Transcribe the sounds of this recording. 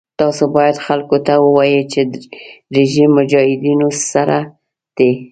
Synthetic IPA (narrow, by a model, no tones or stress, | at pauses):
t̪ɑsobɑjad̪xalkot̪awəwɑjet͡ʃeɾeʒimːʊd͡ʒɑhɪd̪inosaɾa | d̪̥e